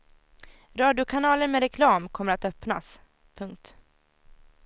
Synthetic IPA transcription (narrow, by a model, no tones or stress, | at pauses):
ɾɑːd̪ɪʊkʰanɑːləɾmɛɾɛkʰlɑːmkʰɔmːəɾat̪œpna̰s | pʰɵŋk̚t̪